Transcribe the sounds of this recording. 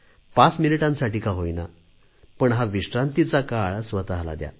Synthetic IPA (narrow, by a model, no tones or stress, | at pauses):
pat͡sminiʈãnsaʈiːkaɦojna̰ | pəɳɦaʋiʂʈɾãnt̪it͡sakaɭsʋət̪aɦla̰d̪ja̰